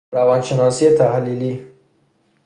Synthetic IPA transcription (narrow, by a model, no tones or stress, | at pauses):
ɾawɑnʃɪnɑsit̪ahlili